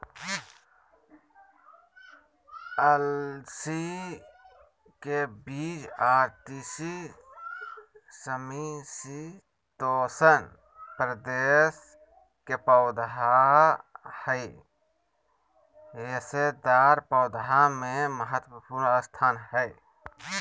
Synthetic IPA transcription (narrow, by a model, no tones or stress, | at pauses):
əlsi | kebiːt͡ʃaːɾt̪iːsi | səmisi | t̪oːsən | pɾəd̪eːs | kepaːd̪ɦa | həi | esed̪aːɾpɔːd̪ɦamẽməɦət̪wəpuːɾnəst̪ʰaːnɦəj